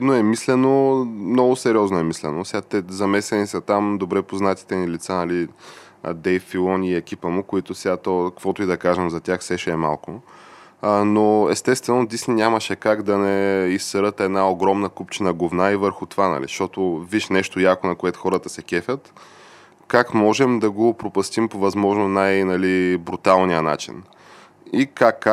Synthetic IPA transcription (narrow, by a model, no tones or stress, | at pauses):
id̪noɛmislɛnomnɔɡʊsɛɾiɔznoɛmislɛnosʲat̪ɛzɐmɛsɛnisɐt̪amd̪obɾɛpoznat̪i̥t̪ɛnilit̪sanɐli | d̪ɛjfilˠɔniːɛkʲipəmokoit̪ʊsɛat̪ɔkkvɔt̪oid̪ɐkaʒɛmzɐt̪ʲaxsɛʃɛːma̰lˠkʊ | noɛst̪ɛst̪vɛnod̪isninʲaməʃɛkaɡd̪ɐnɛisːəɾət̪ɛd̪naoɡɾɔmnəkupt͡ʃinɐɡovnaivəɾxʊt̪ovanɐ̰lḭʃt̪ɔt̪oviʃnɛʃt̪ojakonɐkoɛt̪ʊ̥xɔɾət̪əsɛkɛfʲət̪ | kakmɔʒɛmd̪ɐɡopɾopɐst̪impovɐzmɔʒnonajnɐlibɾut̪alˠnijəna̰t͡ʃḭn | ikakː